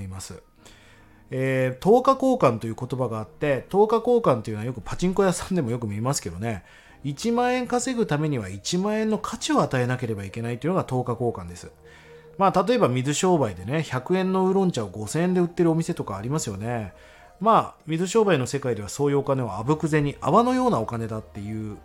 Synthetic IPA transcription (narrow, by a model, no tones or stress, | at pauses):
imasɨ | eːt̪o̞ːkako̞ːkãnt̪o̞jɯ̟ko̞t̪o̞baɡaːt̪ːe̞t̪o̞ːkako̞ːkãnt̪e̞jiɯ̟najo̞k̬ɯ̟pat͡ɕĩŋko̞jasãnd̪e̞mo̞jo̞k̬ɯ̟mʲimasɨ̥ke̞d̪o̞ne̞ | it͡ɕimãɰ̃ẽ̞ŋkase̞ɡɯ̟t̪ame̞ɲ̟iβait͡ɕimãɰ̃ẽ̞nːo̞kʰat͡ɕio̞at̪ae̞nake̞ɾe̞baike̞nait̪oiɯ̟noɡat̪o̞ːkako̞ːkãnd̪e̞sɨ̥ | maːt̪at̪o̞e̞bamʲizɨɕo̞ːbaid̪e̞ne̞çakɯ̟ẽ̞nːo̞ɯ̟ɾõ̞ɲ̟t͡ɕaoɡo̞seẽnd̪e̞ɯ̟t̪ːe̞ɾɯo̞mʲise̞t̪o̞kaːɾʲimasɨjo̞ne̞ | maːmʲizɨɕo̞ːbaino̞se̞kaid̪e̞β̞aso̞ːjɯ̟o̞kane̞βoabɯ̟kɯ̟ze̞ɲ̟ːiʔa̰βano̞jo̞ːnao̞kane̞d̪at̪ːe̞jɯ̟ː